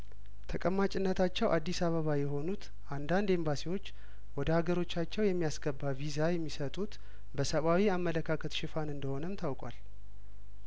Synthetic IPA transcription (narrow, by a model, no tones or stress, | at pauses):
t̪ʰəkʼəmːat͡ʃʼɪnːət̪ʰat͡ʃːɛwʔad̪ːisaβəβajɛɦo̞nut̪ | ʔand̪and̪embasiwo̞t͡ʃː | wɔd̪əhaɡəɾo̞t͡ʃːat͡ʃːɛwjɛmːijasɡəbːavizajɛmːisət̪ʼut̪ | bəsəβawiamːələkʰakʰət̪ʃɪfanɨnd̪əho̞nəmt̪ʰawkʼwa̰l